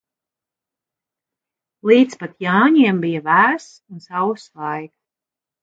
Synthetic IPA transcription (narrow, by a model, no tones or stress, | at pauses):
lˠiːt̪spat̪jaːɲiɛmbijavæːɾs | unsawslˠajk